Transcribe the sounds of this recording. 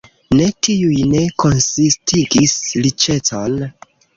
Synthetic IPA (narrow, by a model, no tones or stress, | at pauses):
ne̞tʰiujne̞ko̞nsistiɡislit͡ʃe̞t͡son